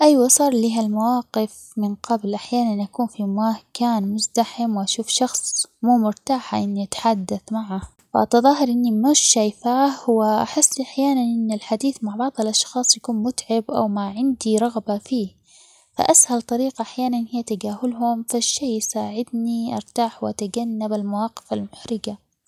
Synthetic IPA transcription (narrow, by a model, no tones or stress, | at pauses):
ʔajwasˤɑːɾˤliːɦalmawɑːqɪf | mɪnqɑblʔaħjaːnanʔakuːnfimakaːnmʊzd̪aħɪmwʔaʃuːfʃɑxsˤmuːmʊɾt̪aːħaʔɪnːiʔat̪ḁħad̪ːaθmaʕa | fa̰ʔɑt̪ɑðˤɑːɦɪɾˤʔɪnːimʊʃʃaːjfaːhwɪʔaħɪsːliʔaħjaːnanʔɪnːɪlħad̪iːθmaʕbɑʕðˤɪlʔɑʃxɑːsˤjakuːnmʊt̪ʕɪbʔa̰wmaʕɪnd̪iɾˤɑɣbafiː | fa̰ʔashalt̪ˤɑɾiːqaʔaħjaːnanhɪjːat̪aɡaːɦʊlhʊmfaʃːeːjjsaːʕɪd̪niʔɑ̰ɾˤt̪aːħwɪʔat̪aɡanːabalmawɑːqɪ̥falmʊħɾɪɡa